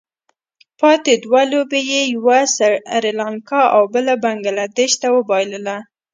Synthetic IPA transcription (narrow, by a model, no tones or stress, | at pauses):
pɑt̪ed̪walobejejwasaɾelɑŋkɑʔawbəlabaŋɡalad̪eʃt̪awəbɑjləla